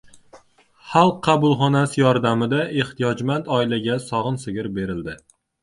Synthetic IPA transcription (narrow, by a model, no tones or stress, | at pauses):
χɑlˠqʰːɑbʊlˠχɒnasɪjɒɾd̪amɪd̪aʔe̞ht̪ʰijɒd͡ʒmant̪ɒɪlaɡʲasɒʁɨnsɪɡʲɪɾbe̞ɾɪld̪ɪ